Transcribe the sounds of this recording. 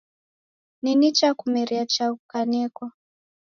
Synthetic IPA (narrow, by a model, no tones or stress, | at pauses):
ninit͡ʃakumɛɾiat͡ʃakanɛkwa